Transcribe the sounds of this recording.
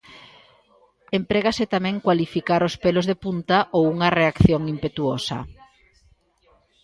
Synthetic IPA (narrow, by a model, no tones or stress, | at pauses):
empɾeɣaset̪amɛ̃ŋkwalifikaɾospelozðepunt̪aʔowuŋɐreakθjoŋimpet̪uosɐ̰